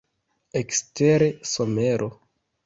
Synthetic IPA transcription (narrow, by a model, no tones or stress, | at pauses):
eksteɾesome̞ɾʔo